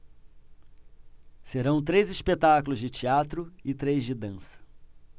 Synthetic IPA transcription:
seɾɐ̃w̃t̪ɾejzispet̪akʊlʊzd͡ʒɪt͡ʃiat̪ɾʊɪt̪ɾejzd͡ʒɪd̪ɐ̃sɐ̥

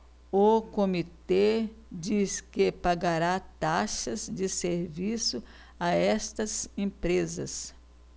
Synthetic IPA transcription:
ʊkomit̪ed͡ʒiskepaɡaɾat̪aʃɐzd͡ʒɪseɾvisʊ | aɛst̪ɐzẽpɾezɐs

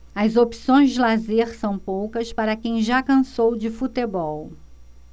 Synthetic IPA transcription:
ɐzopi̥sõj̃zd͡ʒɪlazeɾsɐ̃w̃powkɐspaɾɐkẽj̃ʒakɐ̃sowd͡ʒɪfut̪ebɔw

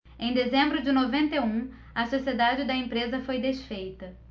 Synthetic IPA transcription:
ẽj̃d̪ezẽmbɾʊd͡ʒɪnovẽnt̪eũ | ɐsosied̪ad͡ʒɪd̪ɐẽmpɾezɐfojd̪eʃfejt̪ɐ

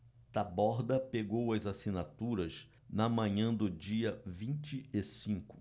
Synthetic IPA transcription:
t̪abɔɾd̪ɐpeɡowɐzasinat̪uɾɐz | nɐmɐ̃ɲɐ̃d̪ʊd͡ʒiɐvĩt͡ʃɪesĩkʊ̥

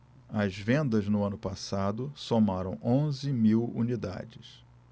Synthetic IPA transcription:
ɐzvẽnd̪ɐznʊɐ̃nʊpasad̪ʊsomaɾɐ̰̃w̃ʔõzɪmiwṵnid̪a̰d͡ʒɪs

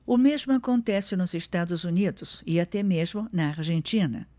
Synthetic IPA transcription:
ʊmezmʊakõnt̪ɛsɪnʊzeʃt̪ad̪ʊzunid̪ʊsiat̪ɛmezmʊnɐaɾʒẽnt̪ĩnɐ̰

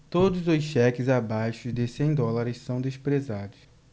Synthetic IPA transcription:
t̪od̪ʊzʊsʃɛkɪzabajʃʊzd̪ɪsẽj̃d̪ɔlaɾɪssɐ̃w̃d̪espɾezad̪ʊs

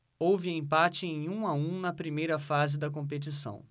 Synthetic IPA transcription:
owvɪẽpat͡ʃɪẽj̃ũaũnɐpɾimejɾɐfazɪd̪ɐk̬õpet͡ʃisɐ̰̃w̃

